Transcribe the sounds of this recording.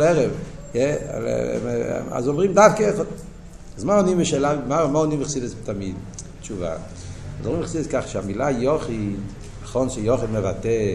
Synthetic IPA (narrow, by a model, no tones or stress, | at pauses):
ɛʁɛv | jɛ̰ | a̰zɔmʁimdafkəɛχɔd | azmaɔniməʃɛlavmamaɔniməχsidəstamid | t͡ʃuva̰ | azɔmʁimχsidɛskaχʃɛamilajɔχid | aχɔnʃɛjɔχidmevatɛ